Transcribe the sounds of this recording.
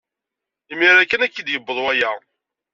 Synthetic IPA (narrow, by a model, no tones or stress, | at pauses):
imːiɾækːənækːid̪jəbːəðˤwæjæ